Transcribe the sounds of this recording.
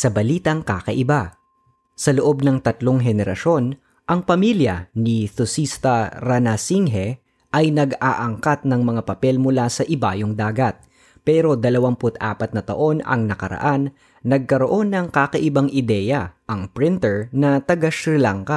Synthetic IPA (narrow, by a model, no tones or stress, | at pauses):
sɐbɐliːt̪ɐŋkaːkɐʔɪba | sɐloʔo̞b̚nɐŋt̪ɐt̪loŋɦɛnɛɾɐ̰ʃo̞n | ʔɐŋpɐmiljɐ̰nisʊsist̪ɐɾɐnɐsiŋɦɛ | ʔɐjnɐɡaʔɐŋkat̪̚nɐŋmɐŋapɐpɛlmʊlasɐʔɪbaːjoŋd̪aːɡɐt̪̚ | pɛːɾo̞d̪ɐlɐwampʊt̪ʔa̰ːpɐt̪nɐt̪ɐ̰ʔo̞nɐ̰ŋnɐkɐ̰ɾɐ̰ʔanː | ɐɡ̚kɐɾo̞ʔo̞nːɐŋkakɐʔɪbaŋʔɪd̪ɛːjɐʔɐŋpɾɪnt̪ɛɹnɐt̪ɐɡaʃɾɪlaŋkɐ